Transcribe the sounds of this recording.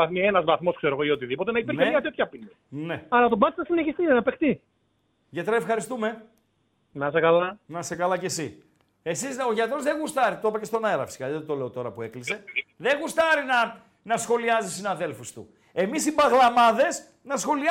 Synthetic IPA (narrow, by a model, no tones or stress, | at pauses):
ɐθmienɐzvɐθmo̞skse̞ɾoɣoio̞t̪iðipo̞t̪enɐipiɾçneɐt̪et̪çɐpinɐneɐɾɐt̪obɐt̪isnɐsineçist̪inenɐpekt̪i | ʝɐt̪ɾɐefxɐɾist̪ume̞ | nɐsekɐlɐnɐse̞kɐlɐcesi | e̞sizo̞ʝɐt̪ɾo̞zðeɣust̪ɐɾit̪opɐcest̪o̞nɐeɾɐ̰fi̥si̥kɐððt̪o̞le̞o̞t̪o̞ɾɐpue̞klise̞ðe̞ɣust̪ɐɾinɐ | nɐsxo̞liɐzisinɐðe̞lfust̪ṵ | e̞misibɐɣlɐmɐðe̞s | nɐsxo̞li